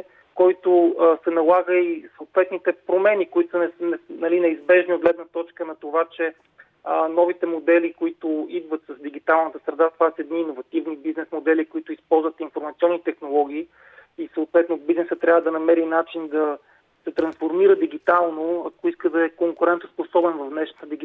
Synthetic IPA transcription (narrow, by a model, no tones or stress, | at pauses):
kɔjt̪osɛnɐlˠaɡəisoːt̪vɛt̪nit̪ɛpɾomɛnikoit̪ʊ̥snɛnɛnɐlinɛizbɛʒniod̪̚ɡlɛd̪nət̪ɔt͡ʃkənɐt̪ovat͡ʃɛ | nɔvit̪ɛmod̪ɛlikoit̪ʊid̪vət̪sɐzd̪iɡ̟it̪alˠnət̪əsɾɛd̪at̪ovasəɛd̪niːnovɐt̪ivnibiznɛsmod̪ɛlikoit̪ʊispɔlˠzvət̪infoɾmɐt̪siɔnːit̪ɛxnolˠɔɡʲiː | isəoːt̪vɛt̪nobiznɛsət̪ːɾʲavəd̪ɐnɐmɛɾinat͡ʃind̪ɐ | sɛt̪ɾɐnsfoɾmiɾəd̪iɡit̪alˠnoɐkoiskəd̪ɐɛkoŋkʊɾɛnt̪o̥sposɔbɛnvɐvnɛʃnət̪əd̪iɡ